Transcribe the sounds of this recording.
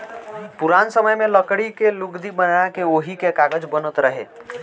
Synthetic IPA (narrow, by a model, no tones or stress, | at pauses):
puɾansəməjmeləkɽikeluɡd̪ibənakeoɦikekaɡəd͡ʒbənət̪ɾəɦḛ